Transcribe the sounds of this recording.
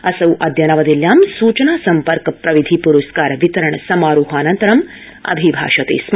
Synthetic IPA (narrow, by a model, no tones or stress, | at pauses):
ɐsɐwʔɐd̪jɐnɐʋɐd̪iljaːmsuːt͡ʃɐnaːsɐmpɐɾkɐpɾɐʋid̪ʱipuɾuskaːɾɐʋit̪ɐɾɐɳɐsɐmaːɾuːɦaːnɐnt̪ɐɾɐm | ɐ̰bʱibʱa̰ːʃɐt̪ḛːs